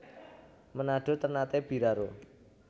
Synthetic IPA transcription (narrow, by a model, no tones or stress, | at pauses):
mənaɖ̥o̤t̪ərnat̪eb̥iɾaɾo